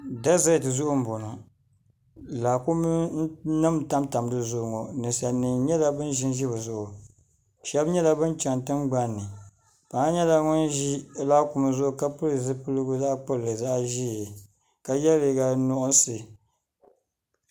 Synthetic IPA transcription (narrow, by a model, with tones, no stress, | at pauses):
da˦za˦˨tɨ˨zʊ˦ʔʊ˦m̩˦˨bo˨nʊ˨ | la˨ku˦m˦nɨ˦mta˦mta˨m˦dɨ˨zʊ˦˨ŋɔ˨nɨ˨sa˨nɨ˨ŋɲɛ˦la˦bɨ˦nʒɪ˦nʒi˦ba˨zʊ˦ʔʊ˨ | ʃɛ˦bɲɛ˦la˦bɨ˦nt͡ʃa˨ntɨ˦nɡ͡ba˦nːɨ˨ | pa˨ŋa˦ɲɛ˦la˦ŋɔ˦ni˦la˦ku˨ma˨zʊ˦ʔʊ˨ka˦pɨ˦lɨ˨zɨ˦pɨ˦lɨ˦ɡʊ˦za˦ʔk͡pɨ˦lɨ˨za˦ʔʒi˦˨ | ka˦jɛ˦le˨˦ɡa˦nɔ˦ʔʊ˦n˦sɨ˨